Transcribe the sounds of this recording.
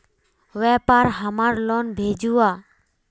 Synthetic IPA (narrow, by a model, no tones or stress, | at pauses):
ʋɛːpaɾɦəmaɾloːnbʱeːd͡ʒuːa